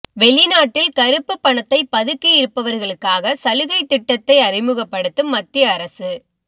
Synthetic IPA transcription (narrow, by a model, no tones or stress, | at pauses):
ʋɛɭɪnaːʈːɪlkɐɾɯpːɯpːɐɳɐt̪ːɐɪpːɐðɯkːɯjɪɾɯpːɐʋɐɾɣɐɭɯkːaːɣɐsɐlɯɣɐɪt̪ːɪʈːɐt̪ːɐɪɐrɪmɯɣɐpːɐɽɯt̪ːɯmːɐt̪ːɪjɐːɾɐsɯ